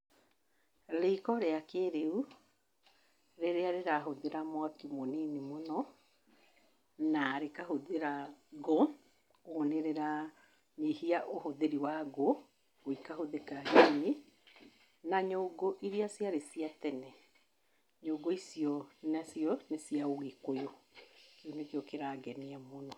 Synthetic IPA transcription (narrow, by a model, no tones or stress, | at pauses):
leikɔɾeakeɾeu | ɾeɾeaɾeɾaɦoðeɾamwakimoninimonɔ | naɾekahoðeɾaɡo | oneɾeɾa | ɲehiaʔohoðeɾiwaɣo | oikaɦoðekaɣeni | naɲoːɡoʔiɾiasiaɾesiatɛnɛ | ɲoːɡoisiɔnasiɔnesiaoɣekojokeonekeokeɾaːɡɛniamonɔ